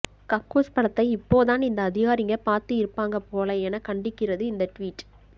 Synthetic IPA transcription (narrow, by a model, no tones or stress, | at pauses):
kɐkːuːspɐɽɐt̪ːɐɪɪpːoːðaːnɪnd̪ɐːðɪɣaːɾɪŋɡɐpaːɾt̪ɯɪɾɯpːaːŋɡɐpoːlɐɛnɐkɐɳɖɪkːɪrɐðɯɪnd̪ɐʈʋiːʈː